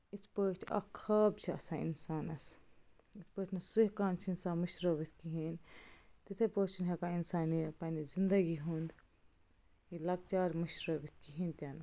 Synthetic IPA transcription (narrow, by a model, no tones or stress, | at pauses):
isʰpəːʈʰɐ̰kʰɐbt͡ʃʰiɐ̰sãːḭnsaːnɐs | isʰpəːʈʰnɐsuɦkaːnt͡ʃʰinsaːmɐʃɾoːbit̪ʰkiɦint̪it̪ʰepoːt͡ʃʰunɦekainsaːnipɐnizind̪ɐɡiɦund̪ | ilɐɡ̚t͡ʃaːɾmɐʃɾoːbit̪̚ʰkiɦint̪ʲanɐ